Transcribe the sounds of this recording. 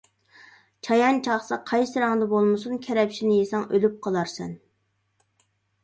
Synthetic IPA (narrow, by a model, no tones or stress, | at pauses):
t͡ʃʰɑjɑnt͡ʃʰɑχsɑqʰɑjsɨɾɑŋd̪ɑbolˠmɨsunkʲʰɛɾɛpʃinɪjesɑŋølyp̚qʰɑlˠɑɾsɛn